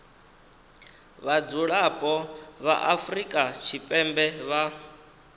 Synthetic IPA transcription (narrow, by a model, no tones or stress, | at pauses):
βad͡zuɺapʼɔβa̰ʔafrikʼat͡ʃʰipʼɛmbɛβa